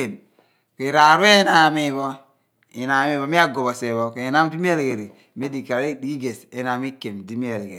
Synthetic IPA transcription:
e˨m | ke˨ɾa˨ɾu˦e˦na˨mi˦˨βɔ˦ | i˨na˨mi˦βo˦mi˦a˦ɡo˨βɔ˨se˨βo˦ke˨i˨na˦m˦di˦mi˦e˦le˨ɡe˨ɾe˨ | me˦di˨ka˨ɾe˦di˦ɡe˨se˦na˨mi˦ke˨mdi˦mi˦e˨le˨ɡe˨

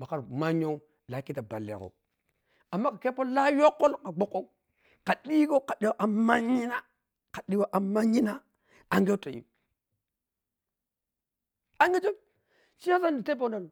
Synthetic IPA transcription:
ma˨ka˨ɾma˦ɲo˦ | la˨ki˦ta˨ba̰˨lːḛ˨ko̰˨ | a˨mːa˦ka˨ke˦po˦la˦jo˦kːo˦lka˨ɡ͡bo˦kːo˦ | ka˨ɗi˦ɡo˦ka˨ɗe˦wa˦ʔa˨ma˦ɲi˦na˦ | ka˨ɗi˦wa˦ʔa˨ma˦ɲi˦na˦ | a˨ŋɡe˦to˨jḭ˨m | a˦ŋɡe˦t͡ʃo˦ | t͡ʃi˦a˦s̬a˦ndi˨te˦p̬o˦na˨l

